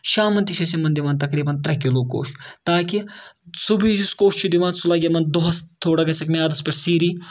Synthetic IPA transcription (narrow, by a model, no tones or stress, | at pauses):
ʃaːmɐnt̪iʃɐsimɐnd̪iʋãːnt̪ɐkɾiːbɐnt̪ɾɐɦkiloːko̰ːʃt̪aːkisubiskoːʃt͡ʃʰud̪iʋãːnsulɐɡʲɐmɐnd̪oɦɐst̪ʰːoːɽɐɡɐsʰɐkmeaːd̪ɐspʲɐʈsiːɾiː